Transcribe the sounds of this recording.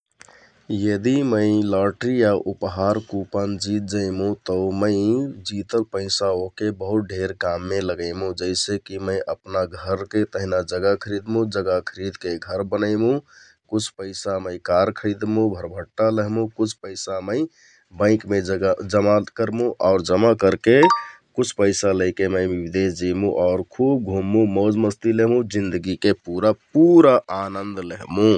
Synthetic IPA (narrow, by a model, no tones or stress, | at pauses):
jəd̪iməɪləʈɾijaʔupɦaɾkupənd͡ʒit̪̚d͡ʒəɪmũt̪əməɪd͡ʒit̪əlpəɪsaokebəɦut̪̚ɖʱeɾkamːeləɡəɪmũd͡ʒəɪsekiməɪʔəpnaɡʱəɾket̪əɦinad͡ʒəɡakʰəɾid̪mũd͡ʒəɡakʰəɾid̪keɡʱəɾbənəɪmũ | kut͡ʃʰpəɪsaməɪkaɾkʰəɪd̪mũbʱəɾbʱəʈːaləɦmũkut͡ʃʰpəɪsaməɪ | bə̃ɪ̃kmeəd͡ʒəmakəɾmũʔɔʊɾd͡ʒəmakəɾkekut͡ʃʰpəɪsaləɪkeməɪibd̪esd͡ʒimũʔɔʊɾkʰub̚ɡʱumːũmod͡ʒməst̪ileɦmũd͡ʒind̪əɡikepuɾapuɾaʔanənd̪ləɦmũ